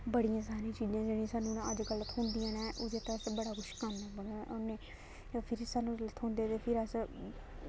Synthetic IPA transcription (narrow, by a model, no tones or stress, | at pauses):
bəɽijãːs̬aːɾĩːt͡ʃiːd͡ʒãːd͡ʒeːɽ̃ĩsaːnũːñːəd͡ʒɡələt̪ʰɦʊ̃nd̪ijãːnɛ̃ːʔʊd͡ʒeːt̪aəsbəɽaːkʊʃkanãːbənʔoneː | pʰɪɾsaːnũːlət̪ɦʊ̃ːnd̪eːt̪eːpʰɪɾəs